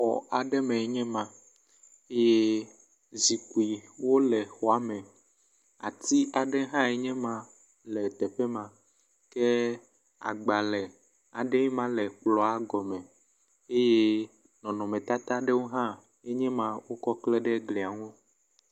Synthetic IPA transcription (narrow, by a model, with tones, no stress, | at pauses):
xɔ̰˨a˨ɖɛ˦mɛ̃˨ɛ˦ɲɛ̃˦mã˨ | e˦je˦ | zi˨ku˨i˨wo˦lɛ˨xɔ˨a˨˦mɛ˨ | a̰˨t̪i˦ʔa˨ɖɛ˦ɦã˦ɛ˦ɲɛ̃˦mã˨ | lɛ˨t̪ɛ˨ɸɛ˦mã˨ | kɛ˦ | a̰˨ɡ͡ba˨lɛ˨ | a˨ɖɛ˦i˦mã˦lɛ˨k͡plɔ˨a˨ɡɔ˨mɛ̃˨ | e˦je˦ | nɔ̃˨nɔ̃˨mɛ̃˨t̪a˦t̪a˦ɖɛ˦wo˦ɦã˦ | e˦ɲɛ̃˦mã˦wo˦kɔ˦klɛ˦ɖɛ˦ɡli˨a˨ŋo˦